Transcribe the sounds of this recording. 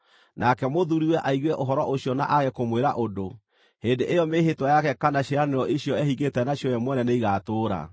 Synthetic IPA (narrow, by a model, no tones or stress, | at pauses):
nʔakɛmoðuɾiwɛʔaiɣwɛʔoɦɔɾɔʔoɕjɔna̰ʔaɣɛkomweɾaʔodo | heːndeʔejɔmeɦetwajakɛkanaɕeɾaneɾɔʔeɕjɔɛhiɣɡetɛnaɕjɔjɛmwɛnɛnɛiɣatoːɾa̰